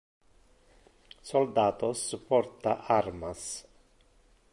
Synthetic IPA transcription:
sɔld̪aːt̪ɔsupːɔɾt̪aʔaɾmas

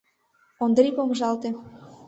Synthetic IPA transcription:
ond̪ripomʒɑlt̪e

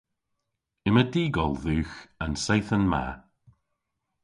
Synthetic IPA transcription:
ɪmədiːɡɔlˠðʉːxansɛjθənma̰

